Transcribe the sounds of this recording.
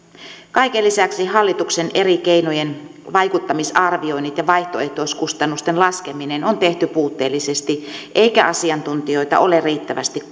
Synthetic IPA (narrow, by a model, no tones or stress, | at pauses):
kɑikelisæksiɦɑlːit̪uksenʔerikeinojenʋɑjkut̪ːɑmisɑrʋio̞inːit̪jɑʋɑiht̪oeht̪oiskust̪ɑnːust̪enlɑskeminenont̪e̞ht̪ypuːt̪ːeːlːisest̪iʔeikæʔɑsiɑnt̪unt̪ijo̞it̪ɑ̰ʔoleriːt̪ːæʋæ̰st̪ik